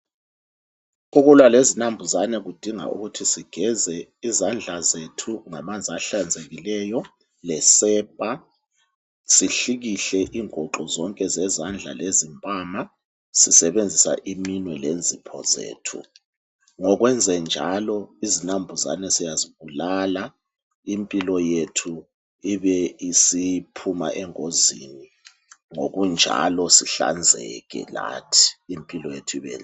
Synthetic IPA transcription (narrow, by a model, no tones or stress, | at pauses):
uɣulwalezinambʱuzanɛɣud̥ʱiŋa̰ṵɣutʰisiɡ̥ʱɛzɛizand͡ɮʱazetʰuŋamand͡zʱiaɬand͡zʱeɣilɛjɔ | lɛsɛːpʼa | siɬiɣiɬɛʔiːŋɔǃɔzɔŋkʼɛzɛzand͡ɮʱa̰lezimpʼama | sisɛβend͡zʱisa̰ʔiminwɛlend͡zʱipʰɔ̰zḛːtʰṵ | ŋɔɣ̬wɛnd͡zʱɛnd͡ʒʱalɔizinambʱuza̰nɛsijaziβulala | impʼilɔjetʰu | iβɛisipʰuma̰ʔɛŋoziːni | ŋo̰ɣund͡ʒʱa̰lɔsiɬa̰nd͡zʱɛ̰ɣɛ̰la̰tʰi̥ːmpʼilɔjetʰuiβɛ̰ːn